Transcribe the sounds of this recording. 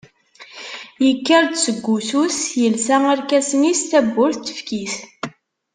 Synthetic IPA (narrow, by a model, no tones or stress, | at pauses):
jəkːəɾd̪səɡʷːususjəlsææɾkæsənist̪æbːʊɾθt̪ːə̥fkiθ